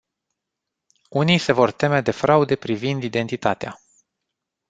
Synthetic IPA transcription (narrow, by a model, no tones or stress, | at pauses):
unijse̞vo̞rt̪e̞med̪e̞fɾaud̪e̞pɾivind̪id̪e̞nt̪it̪at̪ea̰